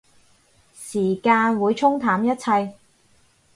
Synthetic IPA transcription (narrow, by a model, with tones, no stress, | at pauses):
siː˨˩kaː˧nwuː˨˧jt͡sʰʊ˥ŋt̪ʰaː˨˥mjɐ˥t̚t͡sʰɐ˧j